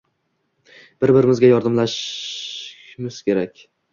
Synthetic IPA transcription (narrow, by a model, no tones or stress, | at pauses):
b̥ɪɾbɪɾɪmɪzɡʲajɒɾd̪amlaʃ | mɪz̥kʲʰe̞ɾakʲ